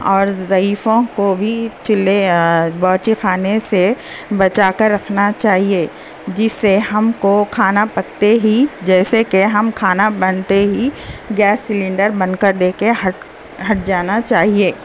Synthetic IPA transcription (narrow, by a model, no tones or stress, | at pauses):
ɔːɾzɐiːfõkobʱit͡ʃʊlebɔːt͡ʃixʰaːnese | bɐt͡ʃaːkəɾːɐkʰnat͡ʃaːɦie | d͡ʒɪsːeɦɐmkokʰaːnapɐkt̪eɦid͡ʒɛːsekeɦɐmkʰaːnabɐnt̪eɦiɡɛːsːɪlɪ̃ɳɖəɾbɐ̃nd̪kəɾd̪eːkeɦɐʈ | ɦɐʈ̚d͡ʒaːnat͡ʃaːɦieː